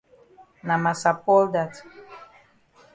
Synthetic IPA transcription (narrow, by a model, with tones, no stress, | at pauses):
na˨ma˨sa˨pɔ˦lda˦t